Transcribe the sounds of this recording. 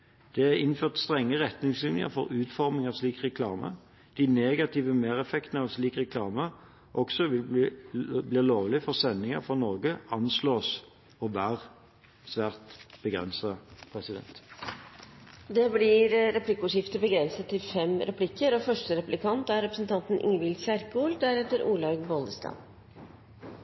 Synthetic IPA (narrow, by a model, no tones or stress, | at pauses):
d̪̥ɛæɪnføːʁt̪st̪ʁɛŋːəʁɛt̪nɪŋslɪnjə̰fɔʁʉːt̪fɔʁmɪŋɑʋsliːkʁɛkʰlɑːmə̰ | d̪̥ɪneːɡɑt̪ʰiʋəmeːʁɛfɛkt̪nəɑʋsliːkʁɛkʰlɑːmə | ʔɔksɔʋɪl | bliːloːʋlɪfɔʁsɛnːɪŋə̰fɔnɔʁɡəɑnsloːs | ɔʋæːʁ | sʋæːʁt̪b̥əɡʁɛ̰nsɑpʰʁɛsɪd̪ɛ̰nt̪ | d̪ɛblɪɾɾɛpʰlɪkʊʂɪft̪əbəɡɾɛnsət̪ʰːɪlfɛmɾʔɛpʰlɪkːəɾɔfœʂʈəɾɛplɪkʰɑnt̪æɾɛpɾəsən̩t̪ʰɑnt̪n̩ʔɪ̰ŋəʋɪlsæɾkuːld̪æɾɛt̪ːəɾʔuːlɑɡboːld̪əst̪ɑ̰ːn